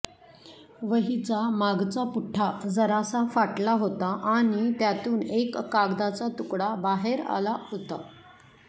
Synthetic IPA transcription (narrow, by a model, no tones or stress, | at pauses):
ʋəɦit͡samaɡt͡sapuʈʰːad͡zəɾasafaʈlaɦot̪aʔaɽ̃it̪jat̪uːnekːaɡd̪at͡sat̪ukɽabaɦeɾa̰laɦot̪a